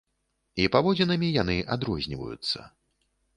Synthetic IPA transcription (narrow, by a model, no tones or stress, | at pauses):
ipavɔd͡zʲinɐmʲijan̪ɨʔad̪ɾɔzʲnʲivɐ̰jṵt̪sːɐ̰